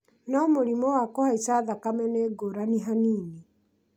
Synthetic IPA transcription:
nɔmoɾimɔwakɔhaisaðakamɛneɡoɾaniɦaniːni

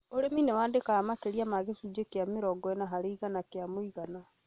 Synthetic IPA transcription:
oɾeminɛwaːndekaamakeɾiamaɣesud͡ʒekeameɾɔɡɔɛnaɦaɾeiɣanakeamoiɣana

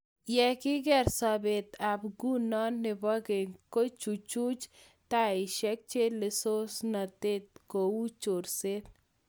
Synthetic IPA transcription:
jɛkiɡɛɾsɐbet̪abɡunanːibɐɡeŋkot͡ʃut͡ʃut͡ʃ | t̪aiʃek̚t͡ʃelisosnɐt̪et̪̚kout͡ʃoɾset̪

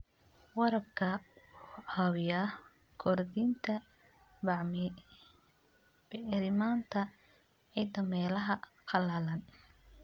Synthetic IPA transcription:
wɑɾɐb̚kʰɐ | ɑwɪjɐ | kʰɔrd̪iːnt̪ʰɐ | bɐʕmɪ | b̥ɛɪɾɪmaːnt̪ʰɐ | ʕid̪ɐmɛːlɐɦɐ | qʰɑlaːlɐn

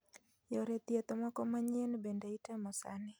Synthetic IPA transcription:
jɔɾɛt̪iat̪ɔmakɔmaɲiɛnbɛndaitamɔsa̰ni

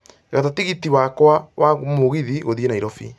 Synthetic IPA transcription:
ɣatatiɣitiwakwawʔamoɣiðiɣoðienaiɾɔfḭ

